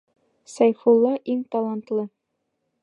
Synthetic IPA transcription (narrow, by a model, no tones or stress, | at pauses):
sæjfulˠːɑʔiŋt̪ɑlˠɑnt̪lˠɤ